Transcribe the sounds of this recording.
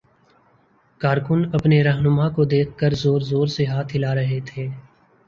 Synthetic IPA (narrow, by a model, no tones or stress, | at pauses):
kaːɾkʊnɐpneɾɐɦnʊmakod̪eːk̚ʰkəɾzoːɾzoːɾseɦaːt̪ʰɦɪlaɾɐɦet̪ʰeː